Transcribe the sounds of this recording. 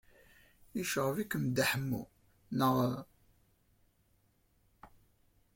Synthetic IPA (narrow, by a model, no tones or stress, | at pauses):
iʃəʁvikːəmd̪æħəmːṵ | nəʁ